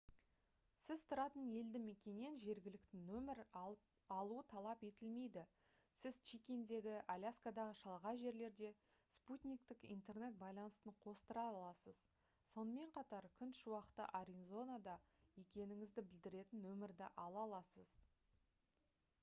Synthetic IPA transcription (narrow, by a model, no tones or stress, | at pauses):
sɪzt̪ʰʊɾɑt̪əne̞ld̪ɪme̞kʲe̞ne̞nʒe̞ɾɡʲɪlɪk̚t̪ɪnɵmɪɾ | ɑlˠuət̪ʰɑlˠɑpe̞t̪ɪlme̞jd̪ɪ | sɪzt͡ʃikʲend̪e̞ɡʲɪʔalʲaskad̪ɑʁəʃɑlˠʁɑʒe̞ɾle̞ɾd̪e̞ | sput̪ʲnʲik̚t̪ɪkḭnt̪e̞rne̞t̪̚bɑjlˠɑnəst̪əɴqʰo̞st̪əɾɑlˠɑsəz | so̞nəme̞ɴqʰɑt̪ɑɾkʲʰʏnt̪ʃʊwɑqət̪ə̰ʔaɾʲinzo̞nad̪ɑje̞kʲe̞nɪŋɪzd̪ɪbɪld̪ɪɾe̞t̪ɪnwɵmɪɾd̪ɪʔɑlˠɑlˠɑsəz